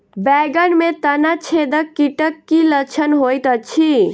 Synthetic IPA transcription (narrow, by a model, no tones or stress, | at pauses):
bɛɡənmet̪ənat͡ʃʰed̪əkːiʈəkːilət͡ʃʰənɦojt̪ət͡ʃʰi